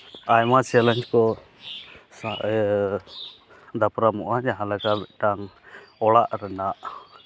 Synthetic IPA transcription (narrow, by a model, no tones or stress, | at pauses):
ajmat͡ʃɛləɲd͡ʒkɔ | sa | d̪apɾamɔʔad͡ʒaɦãlakabɛʔʈaŋ | ɔɽaʔɾɛnaʔ